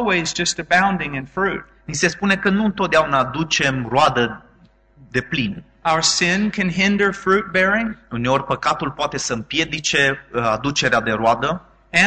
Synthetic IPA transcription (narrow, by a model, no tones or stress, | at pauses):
wizd͡ʒʌstɨbãʊ̃ndɪ̃ŋɨ̃nfɹʉt̚ | nise̞spune̞kənuɨnt̪ot̪d̪eaunaːd̪ut͡ʃe̞mroad̪ə | d̪e̞plin | aʊə˞sɪ̃nkʰɨ̃nɦɪ̃ndə˞fɹʉt̚b̥ɛɹɪ̃ŋune̞o̞rʲpəkat̪ulpoat̪e̞səɨmpje̞d̪it͡ʃe̞ad̪ut͡ʃe̞ɾead̪e̞ɾoad̪ə | ɨ̃